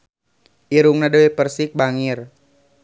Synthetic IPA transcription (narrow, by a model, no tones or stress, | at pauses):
ʔiɾuŋnadəwepərsɪk̚baŋir